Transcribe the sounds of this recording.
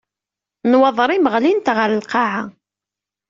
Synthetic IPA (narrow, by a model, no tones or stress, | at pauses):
nwɑðˤɾˤiməʁlint̪ʁəɾəlqɑʕa